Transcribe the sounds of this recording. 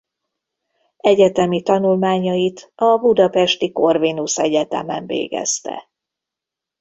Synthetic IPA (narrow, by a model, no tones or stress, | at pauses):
ɛɟɛt̪ɛmit̪ɒnulmaːɲɒjit̪ɒbud̪ɒpɛʃt̪iko̞rvinusɛɟɛt̪ɛ̰mɛɱvḛːɡɛ̰st̪ɛ̰